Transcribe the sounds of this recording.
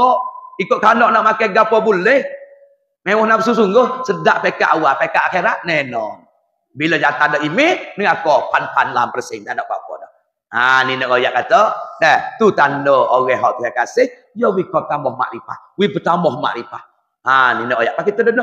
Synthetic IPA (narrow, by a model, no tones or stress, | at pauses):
ɔʔikʊʔkanɔʔnɔʔmakajɡapɔbulɛh | mewɔhnapəs̬us̬uŋɡʊhsədaʔpekaʔawaʔpekaʔaxeɾaʔ̪̚nɛnɔŋ | biləd͡ʒat̪adɔʔimɪnəŋakɔʔpʰanpʰanlampərsɪŋt̪anɔʔka̰pɔ̰dɔ | aninəʔkojaʔkat̪ɔʔɛht̪ut̪andɔoɣɛɦɔʔt̪iɦaʔkasɪh | jɔwikɔp̚t̪ambɔhma̰ʔɾipa̰h | wipət̪ambɔɦma̰ʔɾipa̰h | aninəʔoja̰ʔpakit̪ɔdənɔ